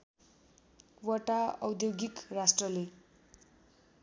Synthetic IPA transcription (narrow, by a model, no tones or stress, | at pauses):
wʌʈaʌwd̪joɡikrasʈrʌle